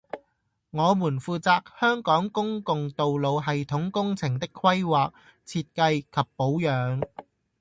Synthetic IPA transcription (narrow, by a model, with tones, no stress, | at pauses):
ŋɔː˨˧muː˨˩nfuː˨˧t͡saː˨k̚hœː˥ŋkɔː˨˥ŋkʊ˥ŋkʊ˨ŋt̪o˨wlo˨˧wɦɐ˨jt̪ʰʊ˨˥ŋkʊ˥ŋt͡sʰɪ˨˩ŋt̪ɪ˥kʰːwɐ˥jwaː˨k̚ | t͡sʰiː˧t̚kɐ˧jkʰɐ˨pːo˨˥wjœː˨˧ŋ